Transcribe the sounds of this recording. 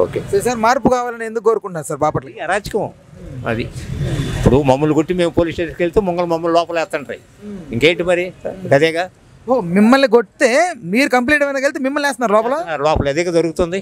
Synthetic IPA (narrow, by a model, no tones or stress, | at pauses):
oːkeːsɐsaːɾmaːɾpukaːʋaːlɐneːnd̪ukːkoːɾukuɳʈnaːɾusaːɾbaːpɐʈlɐɐɾaːd͡ʒɐ̥kɐm | ɐ̰d̪iipːuɽumɐmːɐluɡoʈːime̞ːmpoːliːsʈeːskelt̪eːmɔŋɡɐlumɐmːɐllɔːpɐlɛːst̪ːɐɳʈɐɾḭ | iŋkeːʈimɐɾikɐd̪ɛːɡaː | oːmimːɐlːikoʈt̪eːmiːɾukɐmp̬liːʈɐmɐnaːke̞lit̪eːmimːɐlːɛːst̪ɐnaːɾulɔːpɐloːaɾlɔːpɐlɐd̪eːɡad͡ʒɐɾukut̪und̪i